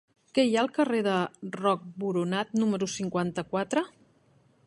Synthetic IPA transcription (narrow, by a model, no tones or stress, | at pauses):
kɛjaəlˠkəreðərɔk̚buɾunat̪numəɾusiŋkwant̪əkwat̪ɾə